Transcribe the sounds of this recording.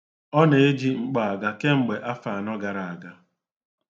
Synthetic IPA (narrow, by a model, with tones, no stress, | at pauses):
ɔ˦ne˨e˦d͡ʒi˦ŋ͡m̩˨k͡pa˨a˨ɡa˦ke˦ŋ͡m̩˨ɡ͡be˨ʔa˦fa˨a˨nɔ˦ɡa˨ɾa˨a˨ɡa˦